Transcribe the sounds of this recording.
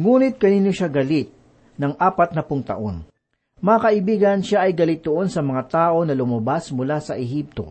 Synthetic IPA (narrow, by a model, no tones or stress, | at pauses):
ŋuːnɪt̪̚kɐninjoʃaɡɐlɪt̪̚ | nɐŋʔaːpɐt̪̚nɐpʊŋt̪ɐ̰ʔo̞n | mɐŋakɐʔɪbiːɡɐnʃaʔɐjɡɐlɪt̪̚d̪ʊʔo̞nsɐmɐŋat̪aːʔo̞nɐlʊmɐbasmʊlasɐʔɛɦip̚t̪o̞̰